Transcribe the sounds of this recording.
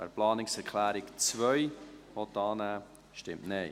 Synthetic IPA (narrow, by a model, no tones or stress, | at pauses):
ɛ̰ɾplɑːnɪksɛɾkʰlæːɾɪkt͡svœʏɔt̪ɑːnæː | ʃtɪmtnɛɪ